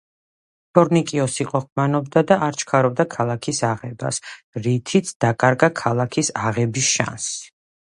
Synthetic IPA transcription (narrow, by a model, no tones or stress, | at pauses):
t̪ʰɔɾnikʼiɔsiqʼɔχmanɔbd̪ad̪aʔaɾt͡ʃʰkʰaɾɔb̚d̪akʰalˠakʰisaʁɛba̰s | ɾit̪ʰit̪sʰd̪̥akʼaɾɡakʰalˠakʰisaʁɛbisʃa̰ns